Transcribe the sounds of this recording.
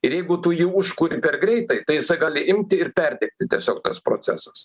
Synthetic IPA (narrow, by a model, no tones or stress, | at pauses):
ɪɾjɛɪɡʊt̪uːjiʊʃkuːɾʲɪpʲɛrɡɾʲɛɪt̪ɐɪt̪ɐɪjɪsɐɪɡɑːlʲɪɪmʲt̪ʲɪɪrpʲɛrʲd̪ʲɛk̚ʲt̪ʲɪt̪ʲiɛsʲoːkt̪ɐspɾo̰ːt͡s̪sʲæ̰ːsɐs